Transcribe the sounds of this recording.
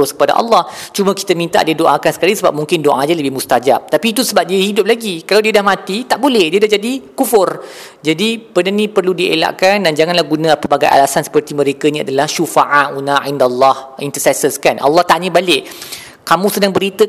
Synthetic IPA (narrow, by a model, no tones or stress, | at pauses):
ʊskəpada̰ʔɑ̰lːɑht͡ʃumə̃ki̥t̪əmĩnt̪a̰ʔdiədoʔakansə̥kalasəba̰p̚mũŋkɪndoʔadaləbɪhmust̪ad͡ʒa̰p̚t̪apiːt̪usəbap̚diəhidʊp̚laɡikalawdiədahmãt̪it̪aʔbolɛhdiədahɦd͡ʒadikufʊr | d͡ʒadipənənĩpərludiḛla̰ʔkandand͡ʒaŋanlahɡunə̃pəbaɡa̰jʔa̰lasansə̥pərt̪imə̃ɾekənĩa̰dalahʃufaʔaʔunaindalːɑhint̪əsɛsəskanʔa̰lːɑht̪aɲəbalɪʔ | kamũsənaŋbəɾit̪ə